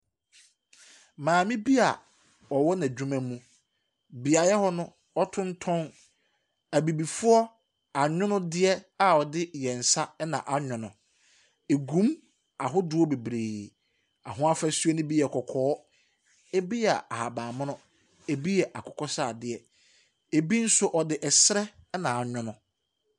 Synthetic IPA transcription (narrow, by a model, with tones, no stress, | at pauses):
mãː˨mĩ˦bi˦a˨ | ɔ˨wɔ˦nã˨d͡ʑᶣu˦mã˦mũ˦ | bi˨a˨jɛ˦hɔ˦nʊ̃˦ | ɔ˦tʰʊ̃˦n̩˦tʰɔ̃˦n | æ˨bi˨bi˨fʊ˦ɔ˦ | a˨ɲᶣʊ̃˦nʊ̃˦dɪ˦ɛ˦a˨ɔ˨dɪ˦jɛ˨n̩˨sa˦ɛ˦nã˨ʔa˦ɲᶣʊ̃˨nʊ̃˨ | e˨ɡũ˦m | a˨ɦʊ˦dʊ˨˦ɔ˦be˨bɾeː˨ | a˨ɦʊ̃˦a˦fa˦su˦ɛ˦nʊ̃˦bi˦ɛ˨kʰɔ˨kʰɔː˨˦ | e˦bi˦a˨a˨ha˨bãː˨mʊ̃˦nʊ̃˦ | e˨bi˦jɛ˨ʔa˨kʰɔ˨kʰɔ˦saː˦˨dɪ˨ɛ˨ | e˨bi˦n̩˦sʊ˦ʔɔ˨dɪ˦ʔɛ˨sɾɛ˦nã˨a˨ɲᶣʊ̃˨˦nʊ̃˨